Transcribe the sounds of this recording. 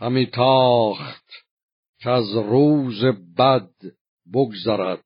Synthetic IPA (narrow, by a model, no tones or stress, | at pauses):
hæmiːt̪ʰɒːχt̪ | kʰeæzruːzebæd̪ | boɡzæɾæd̪̥̚